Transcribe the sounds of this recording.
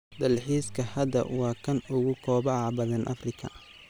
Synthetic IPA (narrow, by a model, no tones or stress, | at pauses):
d̪ɐlħiːskʰɐhɐd̪ɐ̰wɑːkʰɐnʊɣʊkʰɔːbɑʕɑbɐðɐnʔɐfrɪkʰɐ